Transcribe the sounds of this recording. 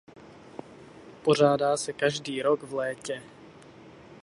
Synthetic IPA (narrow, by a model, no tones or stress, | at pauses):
po̞raːdaːsɛkaʒdiːɾoɡvlɛːcɛ